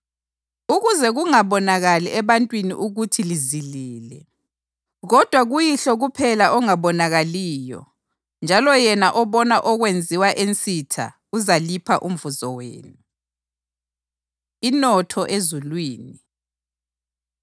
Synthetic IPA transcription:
uɣuzɛɣuŋaβɔnaɣaliɛβantʼwinḭʔuɣutʰiliziliːlɛ | ɣɔd̥ʱwaɣujiɬɔɣupʰɛlaʔɔŋaβɔnaɣaliːjɔ̰ | nd͡ʒʱalɔjɛnaʔɔβɔnaʔɔɣwend͡zʱiwaʔent͡sʼitʰa̰ | uzalipʰaʔum̩vuzɔwḛːnu | inɔtʰɔʔezulwiːni

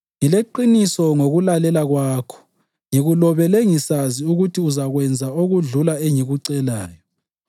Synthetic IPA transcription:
ŋileǃinisɔŋoɣulalɛlaɣwaːkʰɔ̥ | ŋiɣulɔβɛleŋisaziuɣutʰiuzaɣwɛnd͡zʱaoɣuɮulaeŋiɣuǀɛlaːjɔ

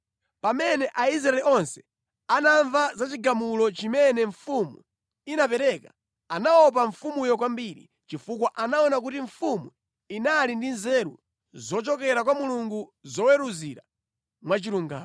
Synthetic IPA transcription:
pamɛnɛʔais̬ɾaɛliʔɔnsɛ̥ | anaɱvazat͡ʃiɡamulɔt͡ʃimɛnɛɱfumṵ | inapɛɾɛka | anaɔp̬aɱfumujɔkwambiɾḭ | t͡ʃifuk̬waʔanaɔnak̬utiɱfumu | inalindinzɛɾṵ | zɔt͡ʃɔkɛɾakwamuluŋɡuzɔwɛɾuziɾa | mwat͡ʃiɾuŋɡa̰ːmɔ

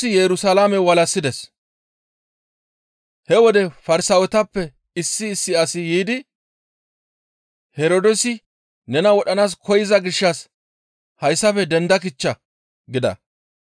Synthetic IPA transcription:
ɪjɛɾʊsalamɛwɐlɐsːɪd̪ɛs | hɛwɔd̪ɛfɐɾɪsɐwɛt̪ɐpːɛ | ɪsːɪːsːɪɐsɪjiːd̪ɪ | hɛɾod̪ɔsɪ | nɛnɐwɔɗɐnaːs̬kʰɔjɪzɐɡɪʃːɐs | hɐjsːɐfɛd̪ɛnd̪ɐk̬ɪt͡ʃːɐ | ɡɪd̪ɐ̰

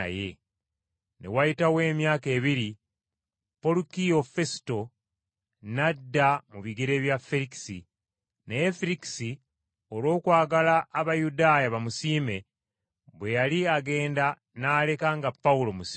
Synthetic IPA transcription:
je̞̰ | ne̞̰wajitawe̞ːmjaːke̞ːβiɾi | po̞lukijo̞fe̞si̥to̞ | nadːamuβiɡeɾe̞βjafeɾiki̥sḭ | nejefiɾiki̥si | o̞ɾwo̞ːkwaːɡalaːβajudaːjaβamusiːme̞ | βwe̞jaliaɡe̞ːnda | naːle̞kaŋɡapːaulo̞musi

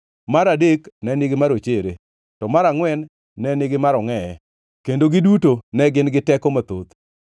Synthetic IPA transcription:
maɾadeknɛnɪɡɪmaɾot͡ʃeɾe | tɔmaɾaŋwɛnː | ɛnɪɡɪmaɾɔŋɛɛ | kendoɡɪdutonɛɡɪnɡɪtɛkɔmat̪ot̪

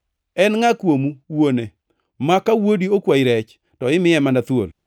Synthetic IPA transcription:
ɛnŋakwomuwone | makawodiokwaiɾɛt͡ʃ | tɔɪmɪjɛmandat̪wo̰l

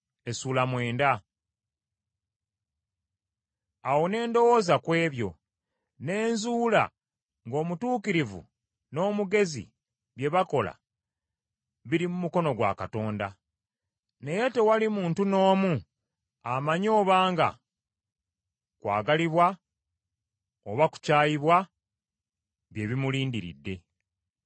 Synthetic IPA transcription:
e̞suːlamwe̞ːnda | awo̞ne̞ːndo̞wo̞ːzakwe̞ːβjo̞̰ | ne̞ːnzuːla̰ | ŋɡo̞ːmutuːkiɾivṵ | no̞ːmuɡe̞zḭ | βje̞βako̞la̰ | βiɾimumuko̞no̞ɡwa̰kato̞ːnda | ne̞je̞te̞walimuːntuno̞ːmu | amaɲo̞ːβaːŋɡa̰ | kwa̰ːɡaliβwa | oβaku̥caːjiβwa | βje̞βimuliːndiɾḭdːe̞

